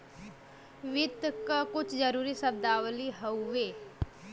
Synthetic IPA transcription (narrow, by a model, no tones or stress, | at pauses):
ʋɪd̪kkʊt͡ʃʰd͡ʒəɾuːɾisəb̚d̪aːʋliɦəuʋeː